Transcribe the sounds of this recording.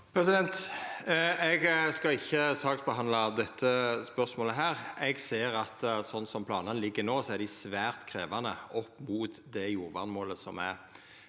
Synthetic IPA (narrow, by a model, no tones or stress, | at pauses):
pʰɾɛsɪd̪ɛnt̪ | ɛɡskɑɪçːəsɑːksbəɦɑnlɑd̪ɛt̪ʰːəspœɾsmoːləɦæːʁɛɡseːɾɑt̪sɔnːsɔmpʰlɑːnənlɪɡːənoːsɔæɾd̪ɪsʋæːʁt̪kʰɾeːʋɑnəɔpːmuːt̪d̪ɛjuːɾʋɑnmoːləsɔ̰mæ̰ɾ